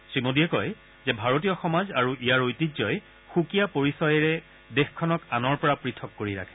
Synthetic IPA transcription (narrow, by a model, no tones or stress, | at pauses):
sɹimodijɛkɔj | zɛbʱaɹotiɔxɔmazaɹuʔijaɹojtizɔj | xukijapoɹisɔjɛɹɛ | dexkʰːɔnɔkanɔɹpɔɹapɹitʰɔkːoɹiɹa̰kʰɛ̥